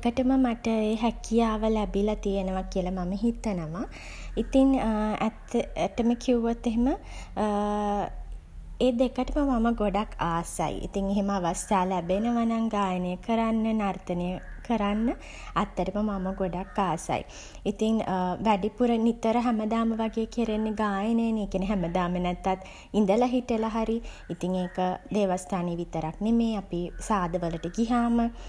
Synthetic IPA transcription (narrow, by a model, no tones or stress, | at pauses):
ekəʈəməmaʈəeːɦækijaːʋəlæbilat̪ijenəʋakiəlamaməɦit̪ənəʋa | it̪iŋæt̪ːæʈəməkʰiuʋot̪ːeɦemə | eːd̪ekəʈəməmaməɡoɖakaːsa̰j̰ḭt̪iŋeɦeməaʋast̪aːlæbenəʋanaŋɡaːjənəjəkəɾanːənart̪ənəjəkəɾanːə | at̪ːəʈəməmaməɡoɖakːaːsa̰j̰ | it̪iŋʋæɖipuɾənit̪ːəɾəɦæməd̪aːməʋaɡeːkeɾenːeɡaːjənəjəneːkenəɦæməd̪aːmənɛt̪ːat̪ | ind̪əlaɦiʈəlaɦaɾi | it̪iŋeːkəd̪eːʋast̪ʰaːneːʋit̪əɾaknemeːapisaːd̪əʋələʈəɡiɦaːmə